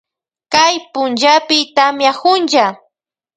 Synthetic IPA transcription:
kajpʊnt͡ʃapɪt̪amjakʊnʒa

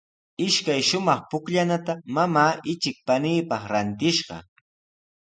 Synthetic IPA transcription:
ɪʃkajʃʊmɑχpʊkʎanat̪amamaːɪt͡ʃɪk̚paniːpɑχɾant̪ɪʃɢɑ̰

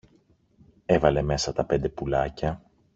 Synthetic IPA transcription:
e̞vɐle̞me̞sɐt̪ɐpe̞nd̪e̞pulɐcɐ

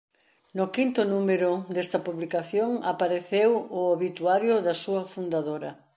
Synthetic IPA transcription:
nʊkint̪ʊnumeɾʊd̪est̪ɐpuβlikaθjoŋapaɾeθewʊaβit̪uaɾjʊðɐsuɐfund̪aðoɾɐ

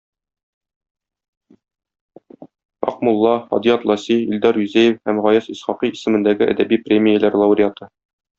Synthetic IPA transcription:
ɒ̰qmulˠːɑχɒ̰d̪ijɑt̪lˠɑsiild̪ɑɾjʉzæjɘfhæmʁɒjɑsisχɑqiisɘ̆mɘ̆nd̪æɡɘʔæ̰d̪æbiprʲemʲijəlæɾlˠɑuɾʲɪat̪ɤ

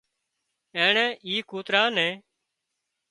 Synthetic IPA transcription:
eːɳɛ̃ːʔiːkuːt̪ɾaːnɛ̃ː

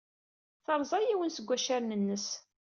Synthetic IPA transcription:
θəɾˤzˤɑjiwənsəɡʷːæʃaɾnənːəs

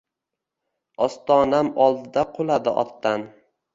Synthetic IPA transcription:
ɒst̪ɒnamɒlˠd̪ɪd̪aqʰolˠad̪ɪʔɒ̰t̪ːan

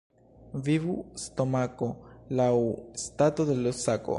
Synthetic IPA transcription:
vivusto̞mako̞lawstato̞de̞losako̰

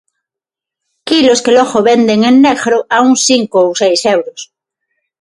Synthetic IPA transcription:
kiloskeloɣoβend̪eŋẽnːeɣɾoauŋsiŋkoːwsejsewɾos

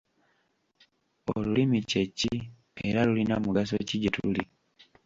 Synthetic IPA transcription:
o̰lulimiceci | eɾalulinamuɡas̬o̰ciɟetuli

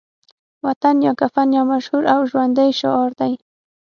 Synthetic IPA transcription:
wat̪anjakafanjamaʃhʊɾawʊʃwand̪ejʃa̰oɾt̪aj

